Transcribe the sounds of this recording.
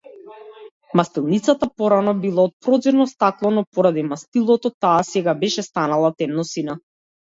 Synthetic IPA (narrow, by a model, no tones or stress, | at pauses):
mast̪ilˠnit̪sat̪apɔɾanɔbilˠaɔt̪̚pɾɔd̪ziɾnɔst̪aklˠɔnɔpɔɾad̪imast̪ilˠɔt̪ɔt̪aːsɛɡabɛʃɛst̪analˠat̪ɛmnɔsina